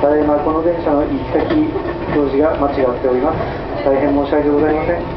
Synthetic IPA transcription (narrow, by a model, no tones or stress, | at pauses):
d̪aɾeemako̞no̞d̪ẽ̞ɰ̃ɕano̞ʔikʲi̥t̪akʲi | t̪o̞ːʑiɡamat͡ɕiɡat̪ːe̞o̞ɾʲimasɨ̥ | t̪aiɦẽmːo̞ːɕiaet̪eɡo̞zaimasẽ̞ŋ